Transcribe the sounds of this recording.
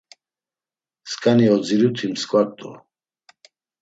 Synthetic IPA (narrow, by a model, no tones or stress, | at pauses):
skʼaniɔd͡ziɾut̪ʰimskʼwak̚ʼt̪ʼɔ̰